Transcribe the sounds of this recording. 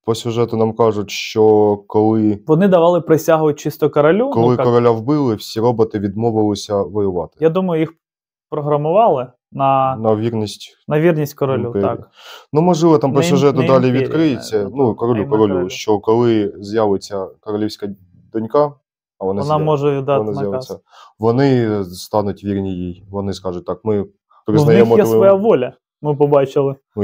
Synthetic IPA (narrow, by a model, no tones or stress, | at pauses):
pɔsʲʊʐɛt̪ʊnɑmkɑʐʊtʲʃt͡ʃɔkɔlˠɪʋɔnɪd̪ɐʋɑlˠɪpɾɪsʲaɦʊʋɐt̚ʲt͡ʃɪst̪ɔkɔɾɐlʲukɔlˠɪkɔɾɔlʲaʋbɪlˠɪwsʲiɾɔbɪt̪ɪʋʲid̪mɔʋɪlˠɪsʲɐʋɔjʊʋɑt̪ɪ̥jad̪umɐjʊjix | pɾɔɦɾɐmʊʋɑlˠɪ | nɐnɐʋʲirnʲisʲtʲ | nɐʋʲirnʲisʲtʲkɔɾɔlʲuk̪k | numɨʐɨvɛt̪ɐmp̪sɔʐɛt̪ʊd̪alʲɪvʲʋʲikɾɨɪt͡sʲɛnukɐɾɐlʲukɐɾolʲuɕokɐlˠɨzʲjavɨt͡sʲɐkɐɾɐlʲefsʲkɐj | d̪ɐnʲka | ɐvɐnaɐnamoʐɛɪd̪anazʲjasʲɐ | vɐnɪst̪anʊt̪vʲirnʲɪjejvɐnɨskaʐʊt̪ːakmɨ | pɾɪznɐjɛxmɔeʋɔjaʋolʲɐ | mɪp̬ɐbat͡ʃɪlˠɪ